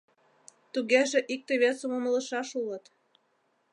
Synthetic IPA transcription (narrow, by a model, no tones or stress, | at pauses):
t̪uɣeʒĕʔik̚t̪ĕβesŏmomə̆lə̆ʃɑʃulə̆t̪